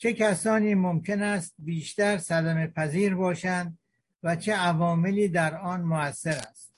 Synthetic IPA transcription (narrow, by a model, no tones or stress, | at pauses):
t͡ʃʰe̞kʰæsɒːniːmomkʲʰe̞næst̪̚biːʃt̪æɾsæd̪æme̞pʰæziːɾbɒːʃænd̪̚ | væt͡ʃʰe̞ævɒːmeliːd̪æɾɒːnmoæsːe̞ɾæst̪